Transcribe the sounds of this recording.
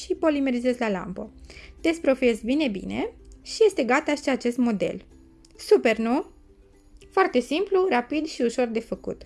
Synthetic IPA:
ʃipo̞lime̞ɾize̞zlala̰mpət̪e̞spɾo̞fie̞zbine̞bḭne̞ʃije̞st̪e̞ɡat̪aʃiat͡ʃe̞st̪mo̞d̪e̞̰l | supe̞rnu | foart̪e̞simplurapid̪ʃiuʃo̞rd̪e̞fəkṵt̪

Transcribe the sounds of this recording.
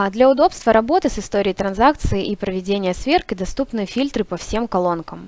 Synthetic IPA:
d̪lʲɐʊd̪o̞pst̪vəɾɐbo̞t̪ɨsɨst̪o̞ɾʲɪjt̪ɾɐnzak̚t̪sɨɪʔipɾəvʲɪdʲenʲɪjəsvʲerkɨd̪ɐst̪upnɨjəfʲilʲt̪ɾɨpɐfsʲe̞mkɐlˠo̞nkəm

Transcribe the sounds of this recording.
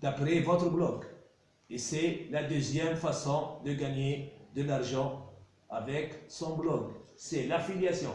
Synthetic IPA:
d̪̥apɾɛvɔt̪ɾəblɔk | esɛlad̪øzjɛmfasɔ̃d̪əɡaɲed̪əlaʁʒɑ̃ | avɛksɔ̃blɔksɛlafiljasjɔ̃

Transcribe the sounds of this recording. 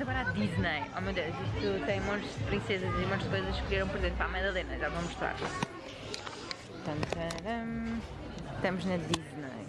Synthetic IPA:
ɐɣɔɾad̪iʒnɐjɔmewd̪ewzisut̪ɐ̃j̃mõt̪ʒd̪pɾĩsezɐzimõt̪ʒðkojzɐʃkɾieɾɐ̃w̃pɔɾizẽnt̪pamɐɐ̃ðɐlˠenɐʒavɐ̃muʃt̪ɾa̰ɾ | t̪ɐ̃nt̪ɐɾɐ̃ | t̪ɐmuʒnɐd̪iʒnɐ̰j

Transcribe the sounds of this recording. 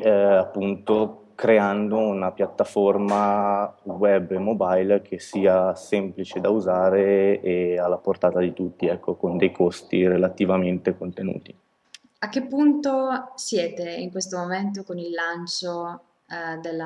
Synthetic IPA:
apːunt̪o | kɾeand̪ounapjat̪ːaforma | wɛbːemobajlk̟ʰesiːasɛmplit͡ʃed̪auzaːɾeealːaport̪aːt̪ad̪it̪ut̪ːiɛkːokond̪ɛjkʰost̪iɾelat̪ivament̪ekont̪enṵːt̪i̥ | ak̟ːepːunt̪osjɛːt̪eiŋkwest̪omoment̪̬okonilːant͡ʃo | d̪elːa

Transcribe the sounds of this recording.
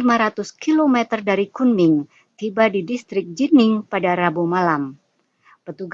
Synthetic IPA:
maɾat̪ʊskilomɛt̪ərdaɾikunmɪŋ | t̪ibadidist̪ɾɪk̚d͡ʒinɪŋpadaɾabumalam | pət̪uɡ

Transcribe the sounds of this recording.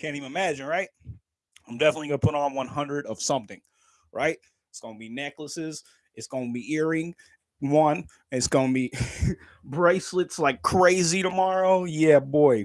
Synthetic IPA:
kʰæ̃ntiṽnɨmæd͡ʒɨ̃nɹaɪt̚ | ãɪ̃mdɛfənətˡliɡʌ̃nəpʰʊɾɪ̃ŋə̃nwʌ̃nɦʌ̃ndɹɨɾʌv̥sʌ̃mθɪ̃ŋ | ɹʔa̰ɪt̚ | ɨtsɡ̥oʊ̃nbinɛkləsɪz | ʔɨtsɡ̥oʊɪ̃nbiɪɹɪ̃ŋ | wʌ̃n | ɨtsɡ̥õʊ̃nbi | bɹeɪslɨtslaɪkʰɹ̥eɪziɾəmɑɹoʊjæbɔɪ

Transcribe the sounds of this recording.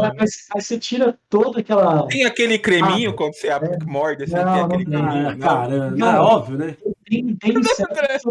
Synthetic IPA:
ɐvajsvajset͡ʃiɾɐt̪od̪ʊɐkɛlɐẽj̃akelɪkɾemĩɲʊkwɐ̃nd̪ʊseabɛkmɔɾdesnɐ̃w̃w̃nkɐẽwɪ̃t̪ẽɛ̃kaɾɐ̃ãɔbviʊnɛẽt̪ẽj̃t̪ẽj̃issɛɛ̃

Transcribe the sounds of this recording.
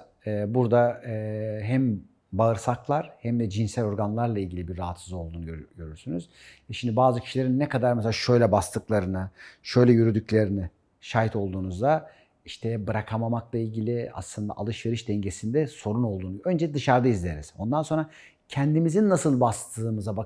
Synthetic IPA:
ɛːbuɾd̪a | ɦæm | baɯɾsaklˠaɾ̥hæmd̪ɛd͡ʒinsælʲo̞ɾɡanlˠaɾlˠailʲɟilʲibiɾːaɦat̪sɯzˠo̞lˠd̪uːnuɟøɟøɾyɾsynyz̥ | ɛʃimd̪ibaːzɯcʰi̥ʃilʲe̞ɾinːɛkad̪aɾmɛselʲaʃø̞jlʲɛbast̪ʰɯklˠaɾɯnɯʃø̞jlʲɛjyɾyd̪yclʲeɾinɪ | ʃaːɦit̪ʰo̞lˠd̪uːnuzd̪a | iʃt̪ʰɛbɯɾakʰamamaklˠailʲɟilʲɪa̰slˠɯnd̪a̰ʔa̰lˠɯʃve̞ɾiʃd̪ɛɲɟe̞sind̪ɛso̞ɾuno̞lˠd̪uːnuø̞nd͡ʒɛd̪ɯʃaɾd̪aizlʲeɾiz̥o̞̰nd̪anso̞nɾa | cʰɛnd̪imizinːasɯlˠbast̪ʰɯːmɯzaba

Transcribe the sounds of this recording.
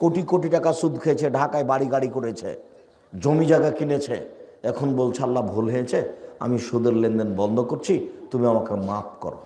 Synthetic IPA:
koʈikoʈ̬iʈakaʃud̪ʱkʰeet͡ɕʰeɖʱakaebaɽiɡaɽikoɽet͡ɕʰḛ | d͡ʑomid͡ʑaɡakinet͡ɕʰḛɛkʰonbolt͡ɕʰalːabʱolɦeet͡ɕʰea̰miʃud̪eɾlend̪enbɔnd̪ʱokoɾt͡ɕʰit̪umiamakemap̚kɔ̰ɾo̰

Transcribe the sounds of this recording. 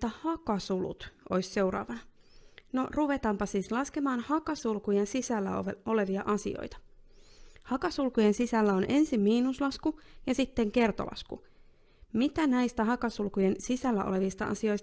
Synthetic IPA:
t̪æhɑkɑsulṵt̪ʔo̞jsse̞wɾɑ̰ːʋɑnɑ | noruʋe̞t̪ɑmpɑsiːslɑske̞mɑːnhɑkɑsulkujensisælːæ̰o̰o̞le̞ʋiɑʔɑsḭo̰jt̪ɑ̥ | hɑkɑsulkujensisælːæo̞nʔe̞nsimmiːnuslɑskujɑsit̪ːe̞ŋke̞rt̪o̰lʔɑ̰skṵ | mit̪ænæjst̪æɦɑkɑsulkuje̞nsisælːæʔo̞̰le̞ʋist̪ɑ̰ʔɑ̰sio̞js

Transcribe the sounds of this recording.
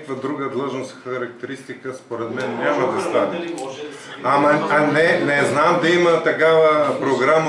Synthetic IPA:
kvəd̪ɾuɡəd̪lˠɤʒnosxɐɾɐk̚t̪ɛɾist̪ikəspoɾɛt̪mɛnnʲaməd̪ɐst̪avʲi | ɐmɐɐnɛnɛznamd̪ɐimət̪ɐkavəpɾoɡɾam

